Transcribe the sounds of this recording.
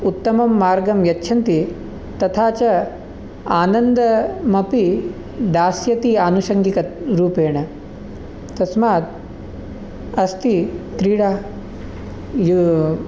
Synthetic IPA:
ut̪ːɐmɐmːaːɾɡɐmjɐtːʃʰɐnt̪i | t̪ɐt̪ʰaːt͡ʃɐ | aːnɐnd̪ɐmɐpi | d̪aːsjɐt̪iaːnuʃɐŋɡikɐɾuːpeːɳɐ | t̪ɐsmaːt̪̚ | ɐst̪it̪ɾiːɽaː | ju

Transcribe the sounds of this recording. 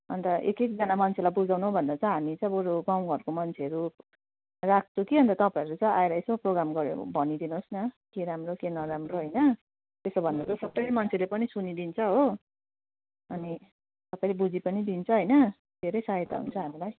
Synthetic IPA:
ʌ̰nt̪ʌʔḛkekd͡zʌnamʌnt͡sʰelajbud͡zawnuɦõbʱʌnd̪at͡sʌ̃ɦamit͡sʌ̃j̃oɾoɡaw̃ɡʱʌrkomʌnt͡sʰeʌɾu | rak̚ʰt͡sukiɦʌnt̪ʌt̪ʌpãʌɾut͡sʌ̃ʔaeɾʌesoproɡɾamɡʌɾjo̰bʱʌnid̪inosnʌkeɾamrokenʌɾamroɦʌjnʌ | t̪esʌbʱʌnd̪at͡sʌ̃sʌbʌjmʌnt͡sʰelepʌnisunid̪int͡sʰʌɦo | ʌni | t̪ʌpajlebud͡zipʌnid̪int͡sʰʌɦʌjnʌ | d̪̥ʱeɾʌjsaɦet̪a̰ɦṵnt͡sʰʌɦamilaj

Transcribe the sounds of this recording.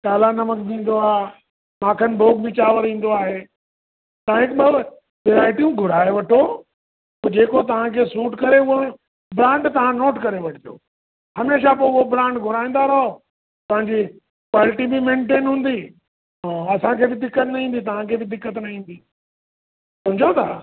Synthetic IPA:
kaːlanɐməkd̪ĩːn̆d̪oaː | mãːkʰənɪbʱoːk̚bɪt͡ɕaːʋəɾĩːn̆d̪oaːɦeː | t̪ɐãɦɪkɓɐ | ʋeːɾaːɪʈijũɡʱʊɾaːeʋɐʈʰoː | oːd͡ʑeːkot̪̬ɐʋ̤ãkʰeːsũːʈkɐɾeʊɦo | bɾãːɳɖt̪ɐʋ̤ãnoːʈkɐɾeʋɐʈʰɪd̪ijo̰ː | hɐmeːʃap̬oːʊɦobɾãːɳɖɡʱʊɾaːĩːnd̪aɾɐɦo | tɐɦɪ̃ɲd͡ʑi | kwaːlɪʈibimẽːɳʈeːnɦũːn̆d̪i | ɦaɐsãkʰeːbɪd̪ɪkːət̪nɐɦĩːn̆d̪it̪ɐʋ̤ãkʰeːbɪd̪ɪkːət̪nɐɦĩːn̆d̪iː | sɐmd͡ʑʱot̪ʰa

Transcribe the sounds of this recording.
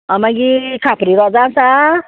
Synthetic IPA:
amãɡikʰapɾiɾɔd͡zasa

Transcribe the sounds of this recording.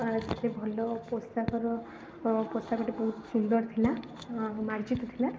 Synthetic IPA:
d͡ʒat̪ʰebʱɔlɔpɔst̪akɔɾɔ | pɔst̪akɔʈebɔɦut̪sund̪ɔɾt̪ʰila | maɾd͡ʒit̪ɔt̪ʰila

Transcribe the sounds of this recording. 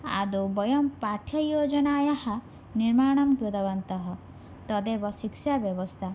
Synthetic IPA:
a̰d̪ubɔjɔmpaʈʰjɔjod͡ʒɔnaːjahɔ | niɾmaɽ̃ɔmkɾud̪ɔbɔnt̪ɔɦɔ | t̪ɔd̪ebɔsiksabjɔbɔst̪ʰa

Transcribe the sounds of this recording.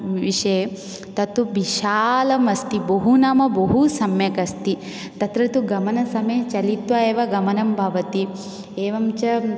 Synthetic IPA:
ʋiʂɐ | t̪ɐt̪ubiʃaːlɐmɐst̪ibɐɦunaːmɐbɐɦusɐmjɐkɐst̪i | t̪ɐt̪ɾɐt̪uɡɐmɐnɐsɐmeːt͡ʃɐlit̪ʋaeːʋɐɡɐmɐnɐmbʱɐʋɐt̪i | eːʋɐmt͡ʃɐ

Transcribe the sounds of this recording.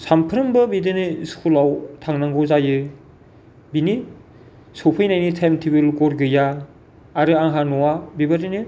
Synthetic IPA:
sampʰɯɾɯmbɯbidɯnɯskʰulawtʰaŋnaŋɡɔzajɯ | bini | sopʰɯjnajnɯtʰemtʰibɯlɡɔɾɡɯjaː | ɾɯaŋɦanɔwabibaɾɯnɯ

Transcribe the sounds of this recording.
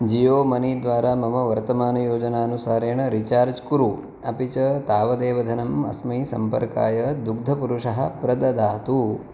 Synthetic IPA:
d͡ʒijoːmɐnid̪ʋaːɾaːmɐmɐʋɐɾt̪ɐmaːnɐjoːd͡ʒɐnaːɐnusaːɾeːɳɐɾit͡ʃaːɾd͡ʒkuɾu | ɐpit͡ʃɐt̪aːʋɐd̪eːʋɐd̪ʱɐnɐmɐ̰smɐjsɐ̰mpɐ̰ɾka̰ːjɐd̪uɡ̚d̪ʱɐpuɾuʂɐɦɐpɾɐd̪ɐd̪aːt̪u

